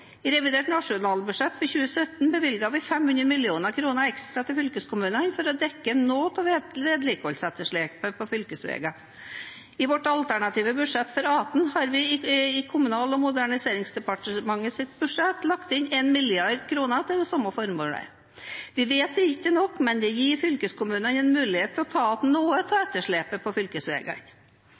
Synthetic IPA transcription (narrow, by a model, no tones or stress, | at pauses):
ɾɛʋɪd̪eːʈnɑʂʊnɑːlbʉ̥ʂɛt̪ːfɔɾçʉːəsœt̪nbəʋɪlɡɑʋɪfɛmhʉnd̪ɾəmɪlɪuːnəkʰɾuːnəɾɛkst̪ɾɑt̪ʰɪfʏlkəskʊmʉːnənfɔɾɔd̪ɛkːənoːt̪ʰɑʋʋeːd̪lɪkɔlsɛt̪ːəʂɭeːk̚pəpʰɔfʏlkəsʋḛːɡɑ | ɪʋɔʈːɑlt̪ʰæɳɑt̪ʰiːʋəbʉʂɛt̪ːfɔɾɑːt̪nhɑɾʋɪɪɪkʰʊmʉnɑːlɔmʊd̪æɳɪseːɾɪŋsd̪ɛpɑʈəmɑŋːəsɪt̪bʉʂɛt̪ːlɑkt̪ɪnɛnmɪlɪɑɾd̪kʰɾuːnət̪ɪld̪ɛsɑməfɔɾmoːɽə̰ | ʋɪʋeːt̪ɛɪkːənɔkːmɛnd̪ɛjiːɾfʏlkəskʊmʉːnənɛnmʉːlɪheːt̪ʰːɪlɔt̪ʰɑːt̪noːət̪ʰɑːɛt̪ːəʂɭeːpəpʰɔfʏlkəsʋḛːɡɑ̰n